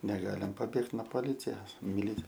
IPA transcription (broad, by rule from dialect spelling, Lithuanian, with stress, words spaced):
nʲɛˈɡɑːlʲɪm pɐˈbʲeːkt noː poːˈlʲɪt͡sʲɛs mʲɪˈlʲɪt͡s